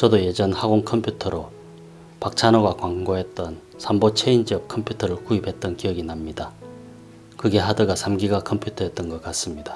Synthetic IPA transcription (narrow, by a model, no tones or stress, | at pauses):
t͡ɕʌdoje̞d͡ʑʌnhaɡoŋkʰʌmpʰjutʰʌɾo | pak̚t͡ɕʰanoɡwakwaŋɡoɦe̞t̚t͈ʌn | sʰambot͡ɕʰeind͡ʑiʌp̚kʰʌmpʰjutʰʌɾɯɭkuibʰʱe̞t̚t͈ʌnkijʌɡinamɲida | kɯɡe̞ɦadɯɡasʰamɡiɡakʰʌmpʰjutʰʌɦet̚t͈ʌnɡʌk͈as͈ɯmɲidḁ